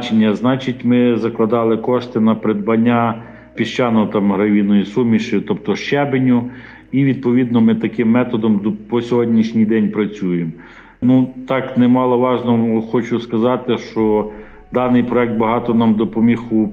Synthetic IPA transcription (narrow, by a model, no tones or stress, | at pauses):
t͡ʃenʲːɐznɑt͡ʃitʲmɪzɐklˠɐd̪ɑlˠɪkɔʃt̪ɪnɐpɾed̪bɐnʲːa | pʲiʃt͡ʃɑnɔɔt̪ɑmɦɾɐʋʲinɔjisumʲiʃɪt̪ɔpt̪ɔʃt͡ʃɛbenʲʊ | iʋʲid̪̚pɔʋʲid̪nɔmɪt̪ɐkɪmːɛt̪ɔd̪ɔmpɔsʲɔɦɔdʲnʲiʃnʲijd̪ɛnʲpɾɐt͡sʲujem | nut̪ɑknɛmɑlˠɔʋɑʒnɔɦɔxɔt͡ʃʊskɐzɑt̪ɪʃt͡ʃɔ | d̪ɑnɪjpɾɔɛk̚t̪̚bɐɦɑt̪ɔnɑmd̪ɔpɔmʲixʊ